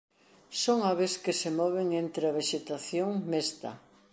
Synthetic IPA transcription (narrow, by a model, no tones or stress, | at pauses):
soŋaβeskɪsemɔβ̞eŋent̪ɾeɐβeʃet̪aθjoŋmest̪ɐ̰